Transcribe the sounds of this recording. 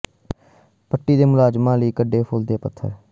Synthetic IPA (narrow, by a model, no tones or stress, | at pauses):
pəʈːiːd̪eːmʊlaːd͡ʒmãːləiːkəɖːeːpʰʊld̪eːpət̪ʰːə̰ɾ